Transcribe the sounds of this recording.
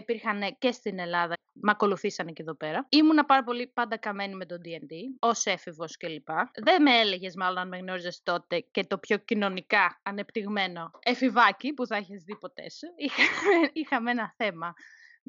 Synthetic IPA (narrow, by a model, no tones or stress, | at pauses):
ipiɾxɐnece̞st̪ine̞lɐðɐ | mɐko̞luθisɐneceðo̞pe̞ɾɐimunɐpɐɾɐpo̞lipɐnd̪ɐkɐme̞nime̞t̪o̞d̪iend̪io̞se̞fivo̞sce̞lipɐðemeele̞ʝe̞zmɐlonɐnmeɣno̞ɾizest̪o̞t̪e̞ce̞t̪o̞pço̞cino̞nikɐːne̞pt̪iɣme̞no̞efivɐcipuθɐiçizðipo̞t̪e̞̰sixɐixɐmenɐθe̞mɐ